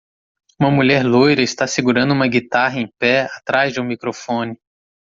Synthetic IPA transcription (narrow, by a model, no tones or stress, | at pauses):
ũmɐmuʎɛɾlojɾɐɪst̪aseɡuɾɐ̃nd̪ʊũmɐɡit̪aɦɐẽj̃pɛat̪ɾazd͡ʒɪũmikɾofõnɪ